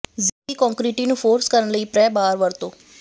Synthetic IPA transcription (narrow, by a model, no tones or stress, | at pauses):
ziːkɔ̃ːŋkɾiːʈiːnũːpʰoːɾskəɾənləiːpɾɛːbaːɾʋəɾt̪õː